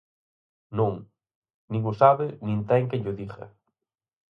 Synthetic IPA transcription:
nõŋ | nĩŋʊsaβɪnĩnt̪ɛŋkɪʎʊðiɣɐ̰

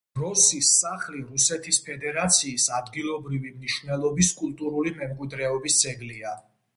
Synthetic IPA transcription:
ɾɔsisːaχliɾusɛt̪ʰispʰɛd̪ɛɾat̪sʰiːsad̪ɡilˠɔbɾivimniʃvnɛlˠɔbiskʼulˠt̪ʼuɾulimɛmkʼwid̪ɾɛɔbisd̪z̥ʼɛɡlia

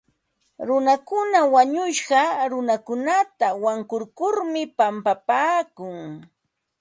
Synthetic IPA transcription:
ɾʊnakʊnawaɲʊʃɢɑɾʊnakʊnat̪awaŋkʊɾkʊɾmɪpampapaːkʊŋ

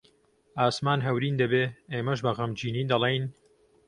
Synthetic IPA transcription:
ʔaːsmaːnɦɐwɾiːnd̪ɐbeːeːmɐʒbɐɣɐmd͡ʒiːniːd̪ɐlˠeːjn

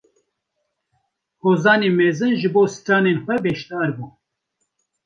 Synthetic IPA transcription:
hoːzɑːneːmɛzɨnʒɨboːsɨ̥t̪ɑːneːnxʷɛbɛʃt̪ɑːɾbuː

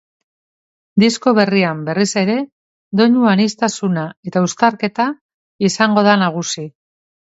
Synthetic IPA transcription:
d̪isko̞βe̞riambe̞rise̞ɾe̞ | d̪o̞ɲuanist̪asunae̞t̪aust̪aɾke̞t̪a | isaŋɡo̞ð̞anaɣ̞usi

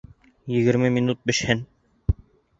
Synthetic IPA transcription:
jɘ̆ɡɘ̆ɾmɘmʲinut̪̚bɘ̆ʃhɘn

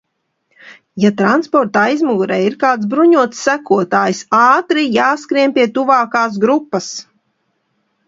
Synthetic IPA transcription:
jat̪ɾanspɔɾt̪ajzmuɡuɾɛjiɾkaːt̪sbɾuɲuɔt̪sːækuɔt̪aːjsɑːt̪ɾijaːskɾiɛmpʲiɛt̪uvaːkaːs̬ɡɾupːɐs

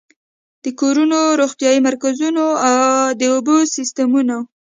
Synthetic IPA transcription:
d̪̥əkoɾunoɾoxt̪jɑjimaɾkazunoawd̪əobosist̪amuna

